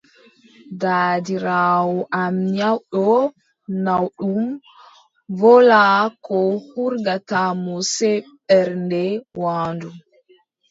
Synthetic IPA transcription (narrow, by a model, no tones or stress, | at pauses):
daːdiɾaːwɔʔamɲawɗɔ | nawɗum | vɔlakɔhuɾɡatamusɛɓɛɾndɛwaːndu